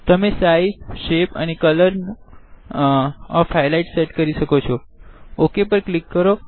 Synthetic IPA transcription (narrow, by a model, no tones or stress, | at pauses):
t̪əmesaizʃepa̰nekələɾn | ɔfajlaiʈseʈkəɾiʃəkot͡ʃʰɔ | okepəɾklikːəɾo